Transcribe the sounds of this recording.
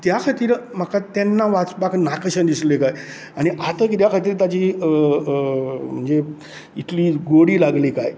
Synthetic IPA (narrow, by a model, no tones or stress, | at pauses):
t̪jakʰat̪iːɾm̤əkat̪ɛnːaʋat͡sbaknakɕənd̪islekaj | aɽ̃iʔat̪əkit̪jakʰat̪̬iːɾt̪ad͡ʑiːə | m̤əɳd͡ze | it̪liːɡoɽiːlaɡliːkaj